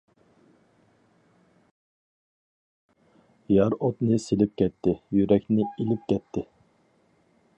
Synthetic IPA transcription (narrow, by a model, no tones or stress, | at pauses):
jɑɾot̪nɨselɪp̚kʲɛt̪ʰːɪjyɾɛkʲnɪilɪp̚kʲʰɛt̪ʰːɪ